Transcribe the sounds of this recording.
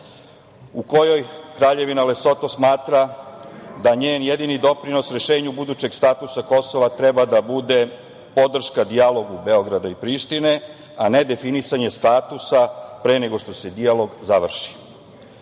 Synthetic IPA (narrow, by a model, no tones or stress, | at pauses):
uko̞jo̞jkɾaːʎe̞ʋinale̞so̞t̪o̞smaːt̪ɾa | d̪aɲeːnje̞d̪inid̪o̞pɾino̞sɾe̞ʃe̞ːɲubud̪uːt͡ɕe̞ɡst̪aːt̪usako̞so̞ʋat̪ɾebad̪abud̪e̞ | po̞d̪r̩ʃkad̪ialo̞ɡubeo̞ɡɾad̪aipɾiːʃt̪ine̞ | ane̞d̪e̞finisaɲe̞st̪aːt̪usapɾe̞ːne̞ɡo̞ʃt̪o̞se̞d̪ijalo̞ɡzaʋr̩ʃi̥